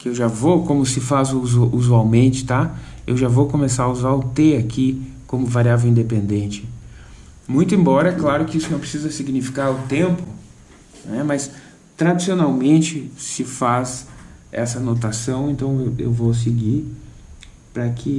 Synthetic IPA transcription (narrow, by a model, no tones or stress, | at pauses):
kɪewʒavokõmʊsɪfazuzʔuzuawmẽnt͡ʃɪ̥t̪aḛwʒavowkõmesaɾɐuzaɾʊt̪eakikõmʊvaɾiavewĩnd̪epẽnd̪ẽnt͡ʃɪ̥ | mũj̃t̪ʊẽmbɔɾɐɛklaɾʊkɪisʊnɐ̃w̃pɾɪ̥sizɐsiɡnifi̥kaɾʊt̪ẽmpʊ | nɛmɐs | t̪ɾad͡ʒisionawmẽnt͡ʃɪsɪfazɛ̰sɐnot̪̬asɐ̃w̃ẽnt̪ɐ̃w̃ewḛwvos̬ɪɡi | pɾɐkʰɪ